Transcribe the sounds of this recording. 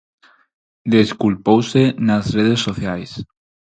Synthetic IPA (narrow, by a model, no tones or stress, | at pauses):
d̪eskulpowsenazreð̞esːoθjajs